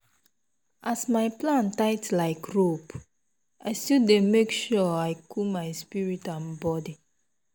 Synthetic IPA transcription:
ʔasmaɪplãntaɪtlaɪkɹop | aɪstildemekʃɔaɪkʰumaɪspiɹitãnbɔdi

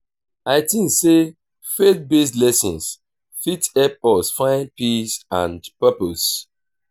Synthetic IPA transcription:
aɪtĩŋkse | fek̚bes̬tlɛsɔ̰̃ns | fitɛp̚ɔsfãɪ̃npisã̰ndpɛpos

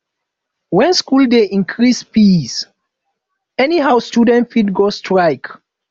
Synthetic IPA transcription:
wɛ̃nskuldeʔĩnkʰɹispis | ɛniɦawstudɛ̃ntfitɡostʰɹaɪk

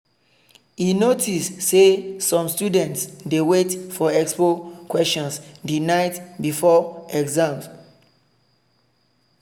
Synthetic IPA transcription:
hinotistsesɔ̃mstjudɛ̃ntsdewetfɔɛkspokwɛstɔ̃nsdinaɪtbifɔɛɡzãm

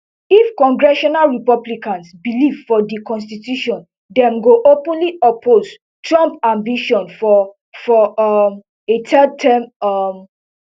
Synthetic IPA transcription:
ifkɔ̃ŋɡɹɛʃɔnalɹipɔblikãnsbilivfɔdikɔ̃ns̬titjuʃɔ̃n | dɛ̃mɡoʔopũnliʔɔpʰoz | tɹɔ̃mpãmbiʃɔ̃nfɔ | fɔm | etʰɛd̚tʰɛmm

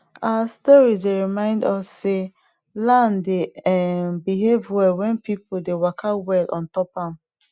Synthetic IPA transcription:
aastɔɹizdeɹimãɪ̃ndɔsːe | lãndeɛbiɦevwɛwɛ̃npipodewakʰawɛlʔɔ̰̃ntɔpãm

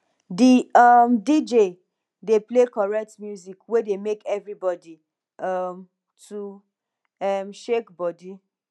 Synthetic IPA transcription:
diamdid͡ʒe | deplekɔɹɛk̚tmjuzikwedemekɛvɹibɔdi | ʌm | tʰu | ɛmʃekbɔdi

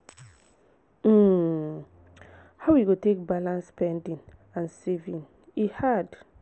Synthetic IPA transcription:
m̩ | hawwiɡotek̚balãnsːpɛ̃ndĩŋ | ãnsevĩŋ | ihad

